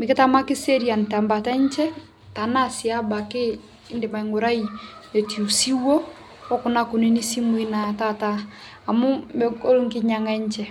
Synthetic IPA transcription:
me˨ke˦ta˦ma˦ki˦se˦ɾi˦a˨n˨ta˨mba˨tɛ˦ɲt͡ʃɛ˦ | ta˨na˦si˨a˦ba˨keː˦ | nde˨ma˨i˨ŋo˨ɾa˦ine˨ti˨u˨si˦wɔ˦ | ɔ˦ku˨na˦ku˨ni˦ni˦si˦mu˦i˦na˨ta˦˨taː˦˨ | mu˦mɛ˦ko˦ɾo˦ŋ˦ki˦ɲa˦ŋa˦ɲt͡ʃɛ˦

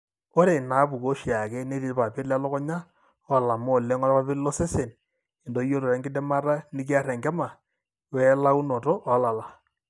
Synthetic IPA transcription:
o˦ɾe˨na˨˦pu˨ko˦ʃi˨a˨kɛ˦ne˦ti˨˦ɾpa˨pɪ˦la˦lɔ˦kɔ˦ɲa˦ | a˨la˨mo˦˨lɛ˦ŋɔ˦ɾpa˦pɪ˦lɔ˦se˦se˨n | ɪ˨ndo˦jo˦ɾo˨ɾɛ˨˦ŋɡɪ˦dɛ˦ma˦ɾa˦nɪ˦ki˦a˦ɾɛ˨ŋɡɛ˦ma˨ | wɛ˦la˦u˦no˨to˦a˨˦la˨la˨

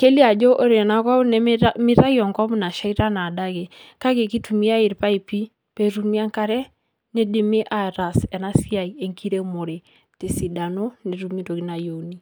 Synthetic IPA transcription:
ke˦li˦a˨d͡ʒo˦ʔo˦ɾe˨na˦kɔ˦nɛ˦mi˦ɾa˦jɔ˨ŋkɔ˦m˦na˨ʃa˦i˦ɾa˦na˨da˦ɡe˨ka˦ke˨ki˦tu˨mi˦a˦i˨ɾpa˦i˨pi˦ | pe˦ɾu˦mi˦a˦ŋka˦ɾɛ˦ | ne˦dɪ˨me˦ʔa˨ɾa˨sɛ˨na˦si˦a˨ie˨ŋkʰi˦ɾe˦mo˨ɾe˨ | te˨si˨da˨no˦ne˨ɾu˨mi˦to˨ɡi˦na˨jo˨ni˦

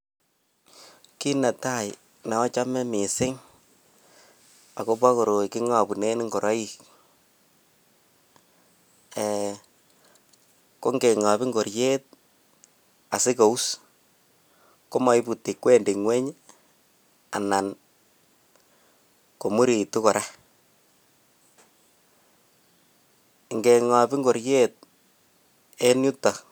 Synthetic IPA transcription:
ki˦na˨ta˦˨j | na˨ɔ˦t͡ʃa˦mɛ˦mɪ˨sɪ˦ŋ | a˨ko˦pa˦ko˨ɾo˨ikɪ˦ŋa˨pu˨ne˦n˦ŋɡo˨ɾa˦i˦k | ɛ | ko˦ŋɡe˨ŋa˨bi˦ŋɡo˨ɾje˦t̚ | a˨sɪ˦ko˨u˦s | ko˦mɔ˨i˦pu˨tːi˨kwe˦ndi˨ŋwɛ˦ɲ | a̰˨na˨n | ko˨mu˦ɾi˨tu˦kɔ˨ɾa˦ | ŋɡe˨ŋɔ˨bi˦ŋɡo˨ɾje˦t̚ | e˦nu˦ta˨

